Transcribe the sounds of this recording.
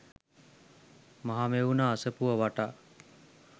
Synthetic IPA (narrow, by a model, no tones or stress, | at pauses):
maɦameunaːsəpuʋəʋaʈaː